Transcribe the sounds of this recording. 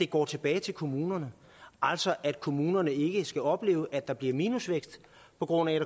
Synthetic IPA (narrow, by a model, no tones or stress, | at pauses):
d̥e̝ɡ̥ɒ̰ːt͡sʰe̝b̥ɛːɪt͡sʰe̝lkʰo̝muːnɐnə | ʔɑl̰sɒ̽ʔæd̥̚kʰo̝muːnɐnəe̝ɡ̥əsɡ̥æɒ̽b̥le̝̰ːʊʔæd̥ɑ̈b̥liɐmiːnusʋeɡ̥sd̥ | pʰɒ̽ɡ̥ʁɔ̽n̰æɾæ